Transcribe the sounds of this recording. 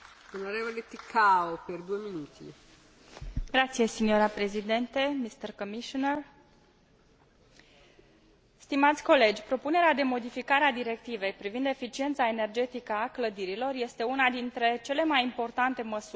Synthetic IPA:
onoɾevolet̪ikʰaoperd̪ujeminut̪ʰḭ | ɡɾat̪sijesinjoɾapɾe̞zid̪e̞nt̪e̞mist̪erkomiʃoner | st̪imat̪sʲko̞le̞d͡ʒʲpɾo̞pune̞ɾead̪e̞mo̞d̪ifikaɾead̪iɾe̞kt̪ive̞jpɾivind̪e̞fit͡ʃie̞nt̪sae̞ne̞rd͡ʒe̞t̪ikəakləd̪iɾilo̞rje̞st̪e̞unad̪int̪ɾe̞t͡ʃe̞le̞majimpo̞rt̪ant̪e̞məsu

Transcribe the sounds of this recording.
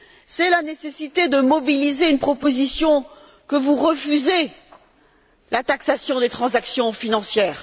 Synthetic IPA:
sɛlanesesit̪ed̪əmɔbilizeynpχɔpozisjɔ̃ | kəvuʁəfyze | lat̪aksasjɔ̃d̪et̪χɑ̃zaksjɔ̃finɑ̃sjɛːʁ

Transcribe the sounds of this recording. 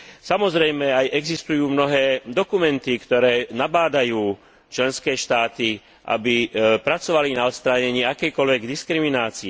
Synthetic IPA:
samɔzɾɛjmɛajʔɛɡzist̪ujuːmnɔɦɛːd̪ɔkumɛnt̪ikt̪ɔɾɛːnabaːd̪ajuː | t͡ʃlɛnskɛːʃt̪aːt̪i | ʔa̰bipɾat͡sɔʋalinaɔt̪st̪ɾaɲɛɲiːakɛjkɔlʋɛɡd̪iskɾiminaːt͡siɛ

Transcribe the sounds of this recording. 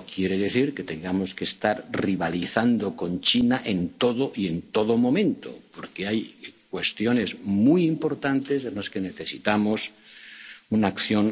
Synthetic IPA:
kjeɾeðeθiɾket̪e̞ŋɡamo̞skest̪aɾriβ̞aliθand̪oko̞nt͡ʃinaʔent̪oðoʔient̪oðomõ̞mẽnt̪o̰poɾkeajkwe̞st̪jone̞zmujimpo̞ɾt̪ant̪esenlaskene̞θesit̪amos | unaːkθjon

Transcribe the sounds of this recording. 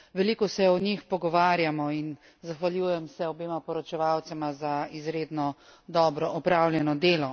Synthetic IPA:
ʋɛliːkɔsɛɔnixpɔɡɔʋaːɾjamɔin | zaxʋaljuːjɛmsɛɔbeːmapɔɾɔt͡ʃɛʋaːwt̪sɛmazaizɾeːd̪nɔ | d̪ɔːbɾɔʔɔpɾawlʲjɛnɔd̪eːlɔ

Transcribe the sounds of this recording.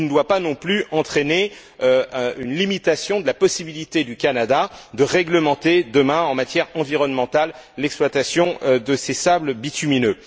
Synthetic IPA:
nəd̪wapanɔ̃plyʔɑ̃t̪χene | øynlimit̪asjɔ̃d̪əlapɔsibilit̪ed̪ykanad̪ad̪əʁɛɡləmɑ̃t̪ed̪əmɛ̃ɑ̃mat̪jɛʁɑ̃viʁɔnmɑ̃t̪alːɛksplwat̪asjɔ̃d̪əsesabləbit̪yminø

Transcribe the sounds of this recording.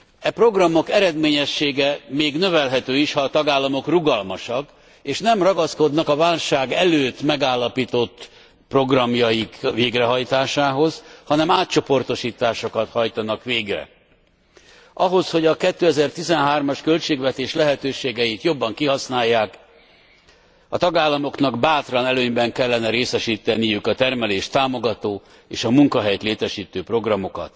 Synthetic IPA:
ɛpro̞ɡrɒmːo̞kɛɾɛd̪meːɲɛʃːeːɡɛmeːɡn̪ø̞vɛlɦɛt̪øːiʃhɒːt̪ɒɡaːlːɒmo̞kruɡɒlmɒʃɒk | eːʃnɛmrɒɡɒsko̞d̪nɒkɒvaːlʃaːɡɛløːt̪mɛɡaːlːɒpiːt̪o̞t̪ː | pro̞ɡrɒmjɒjikveːɡrɛɦɒjt̪aːʃaːɦo̞zhɒnɛmaːt̪̚t͡ʃo̞po̞rt̪o̞ʃiːt̪aːʃo̞kɒt̪hɒjt̪ɒnɒkʋeːɡrɛ̰ | ʔɒɦo̞sho̞ɟɒkɛt̪ːøːɛzɛrt̪izɛnɦaːrmɒʃkø̞lt͡ʃeːɡvɛt̪eːʃlɛɦɛt̪øːʃeːɡɛjit̪jo̞bːɒŋkiɦɒsnaːjːaːk | ɒt̪ɒɡaːlːɒmo̞knɒɡbaːt̪rɒnɛløːɲbɛŋkɛlːɛnɛɾeːsɛʃiːt̪ɛnijukɒt̪ɛrmɛleːʃt̪aːmo̞ɡɒt̪oː | ḛːʃɒmuŋkɒɦɛjt̪leːt̪ɛʃiːt̪øːpro̞ɡrɒmo̞kɒ̰t̪

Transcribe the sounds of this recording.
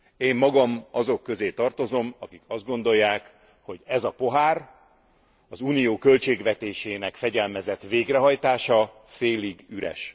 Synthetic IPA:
eːmːɒɡɒmɒzo̞kːø̞zeːt̪ɒrt̪o̞zo̞mɒkikʰɒzd̪ɡo̞nd̪o̞jːaːk | ho̞ɟɛzɒpo̞ɦaːr | ɒzuːnijoːkø̞lt͡ʃeːɡʋɛt̪eːʃeːnɛkfɛɟɛlmɛzɛt̪ʋeːɡrɛɦɒjt̪aːʃɒ | feːliɡyɾɛ̰ʃ

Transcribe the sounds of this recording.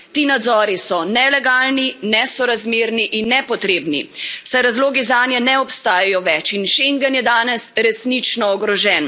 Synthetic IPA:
t̪iːnad̪zɔːɾisɔnɛlɛɡaːlninɛsɔɾazmeːɾniʔinːɛpɔt̪ɾeːbnḭsajɾazloːɡizaːnjɛnɛɔpst̪aːjajɔʋɛt͡ʃinʃeŋɡənjɛd̪aːnɛsɾɛsnit͡ʃnɔːɡɾɔʒɛːn

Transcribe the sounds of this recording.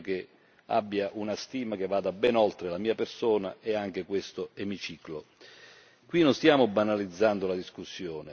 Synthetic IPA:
k̟e | a̰bːjaʔunast̪iːmak̟evːaːd̪abɛnɔlt̪ɾelamiːapersoːnaʔɛaŋk̟ekwest̪ʊemit͡ʃiːklo | kwinʊnst̪jaːmʊbanalid̪zːand̪ʊlad̪iskusːjoːne

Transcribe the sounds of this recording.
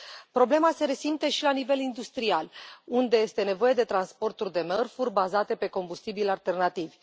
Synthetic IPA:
pɾo̞ble̞mase̞ɾe̞simt̪e̞ʃilanive̞lind̪ust̪ɾialund̪e̞je̞st̪e̞ne̞vo̞je̞d̪e̞t̪ɾanspo̞rt̪urʲd̪e̞mərfurʲbazat̪e̞pe̞ko̞mbust̪ibilalt̪e̞rnat̪ivʲ

